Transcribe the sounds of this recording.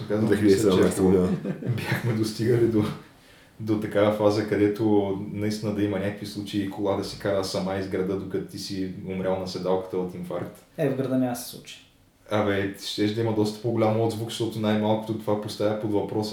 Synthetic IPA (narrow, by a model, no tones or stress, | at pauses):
kazst͡ʃɛt̪abjaxmɛd̪ost̪iɡəlid̪o | d̪ot̪ɐkavəfazəkɐd̪ɛt̪ʊnɐist̪inəd̪ɐimɐnʲakə̥kvislˠut͡ʃeiːkʰolˠad̪ɐsikaɾəsɐmaizɡɾɐd̪əd̪okɐt̪t̪isiomɾʲjalˠnɐsɛd̪alˠkə̥t̪əot̪iɱfaɾkt̪ | ɛvɡɾɐd̪ənʲakəsɛ̥slˠṵt͡ʃi̥ | ɐvɛt̪ʃt̪ɛʒd̪ɐiməd̪ɔst̪ə̥poɡʊlʲamod̪zvukʃt̪ɔt̪ʊnajmalˠkʊt̪oʊt̪ovapost̪avʲəpod̪vɐpɾɔs